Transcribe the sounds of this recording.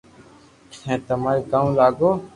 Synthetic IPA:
ɛ̃ːt̪ɐmaːɾikãːlaːɡoː

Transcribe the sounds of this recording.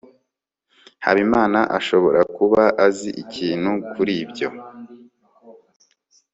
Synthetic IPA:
ha̰βimaːnaʔaʃo̞βo̞ɾakuβaʔaziʔicʰiːn̥hukʰuɾiːbɟo̞̰

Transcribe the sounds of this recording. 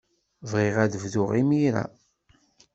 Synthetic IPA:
vʁiʁæðəvðʊʁimiɾæ̰

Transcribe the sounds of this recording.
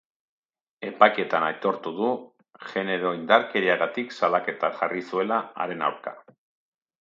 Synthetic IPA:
e̞pajke̞t̪anajt̪o̞ɾt̪uðu | ʝe̞ne̞ɾo̞ind̪aɾke̞ɾiaɣat̪iksalake̞t̪aʝarisue̞laa̰ɾe̞na̰wɾka̰

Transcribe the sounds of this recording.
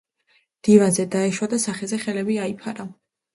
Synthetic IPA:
md̪̥ivanzɛd̪aɛʃwad̪asaχɛzɛχɛlɛbiaipʰaɾa

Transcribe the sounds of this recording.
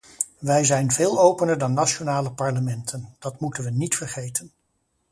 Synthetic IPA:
ʋɛjzɛjnvɪːlˠowpənəɹdɑnːat͡ʃonaːləpɑɹləmɛntʰənd̥ɑtmutənʋənitfərχejtən

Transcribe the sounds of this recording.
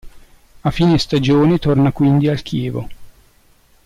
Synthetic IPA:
afiːnest̪ad͡ʒoːnet̪ornakwind̪ialk̟ʰjɛːvo̰

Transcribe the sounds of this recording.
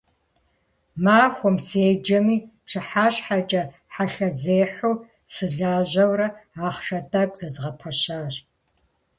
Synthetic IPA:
maːxʷɔmseːd͡ʒɐmiːpʂʰɨħaːɕħat͡ʃʼɐ | ħaɬɐzeːħʷuː | sɨɮaːʑɐwrɐaːχʂɐdʼakʷʼz̥ɐzʁɐpʰɐɕaːɕ

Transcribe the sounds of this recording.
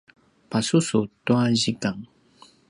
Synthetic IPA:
pasusutuaʑikaŋ

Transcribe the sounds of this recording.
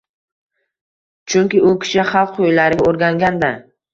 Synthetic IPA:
t͡ʃʰʊŋkʲɪʊkʲʰɪ̥ʃɪχɑlˠqojlaɾɪɡʲaoɾɡʲaŋɡʲand̪a

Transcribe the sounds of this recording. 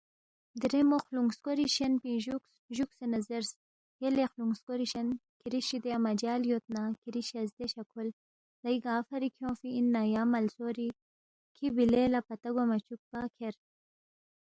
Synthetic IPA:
d̪iɾemoxluŋskoɾiʃenpĩʒuk | ʒuksenɐzeɾs | jelexluŋɡskoɾiʃɐnkiɾiʃid̪eamɐd͡ʒaːljot̪̚nakiɾiʃɐzd̪eɕɐkʰul | lɐjɡaːfɐɾikʰjõːfiːnːajaːmɐlsoɾi | kʰibilelapɐt̪ɐɡamɐt͡ʃuk̚pakʰeɾ

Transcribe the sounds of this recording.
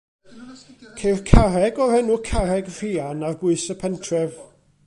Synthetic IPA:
kʰejrkʰaɾɛɡɔrɛnʊkʰaɾɛɡr̥ianarbʊɨsəpʰɛntʰrɛv

